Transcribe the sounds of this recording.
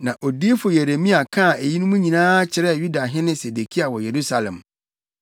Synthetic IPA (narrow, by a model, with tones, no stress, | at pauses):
nã˨ʔo˨di˦e˦fʊ˨je˨ɾe˨mĩ˦a˨kʰã˦˨e˨ji˦nʊ̃˦mũ˦ɲĩ˨nãː˦t͡ɕʰɪ˨ɾɛ˦˨ju˦da˨ɦɪ̃˦nɪ̃˦se˨de˨kʰi˦a˨wɔ˨je˨ɾu˦sa˨lɛ̰̃˨m